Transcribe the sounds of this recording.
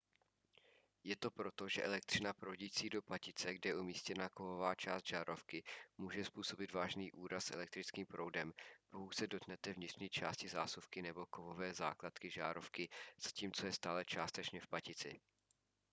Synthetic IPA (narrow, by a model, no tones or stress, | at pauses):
jɛt̪o̞pɾo̞t̪o̞ʒɛʔɛlɛk̚t̪r̝̥ɪnapɾowɟiːt͡siːdo̞pacɪt͡sɛɡdɛjɛʔumiːscɛnakovo̞vaːt͡ʃa̰ːst̪ʒ̥aːɾo̞fkɪmuːʒɛspuːso̞bɪt̪vaːʒniːʔuːɾassɛ̰lɛk̚t̪ɾɪt͡skiːmpɾʔo̞wdɛmpohusɛdo̞t̪nɛt̪ɛvɲɪt̪r̥ɲiːt͡ʃa̰ːscɪzaːsufkɪnɛbo̞kovo̞vɛːza̰ːklat̪kɪʒa̰ːɾo̞fkɪz̥aciːmt͡so̞jɛst̪aːlɛt͡ʃaːst̪ɛt͡ʃɲɛfpacɪt͡sɪ̰